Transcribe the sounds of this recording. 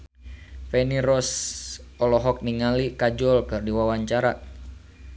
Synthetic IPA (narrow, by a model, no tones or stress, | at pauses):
fɛniɾɔs | ɔlɔɦɔk̚niŋalikad͡ʒɔlkɨrdiwawaɲt͡ʃaɾa